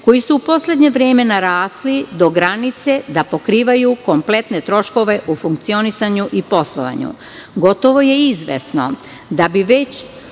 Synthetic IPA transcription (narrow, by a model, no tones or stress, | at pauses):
ko̞jisuːpo̞sle̞d̪ɲe̞ʋɾeːme̞naɾaːslid̪o̞ɡɾanit̪sed̪apo̞kɾiːʋajuko̞mple̞t̪ne̞t̪ɾo̞ʃko̞ʋe̞ʔufuŋk̚t̪sio̞nisaɲuʔipo̞slˠoʋa̰ɲṵ | ɡo̞t̪o̞ʋo̞je̞izʋḛsno̞̰ | d̪abiʋe̞t͡ɕ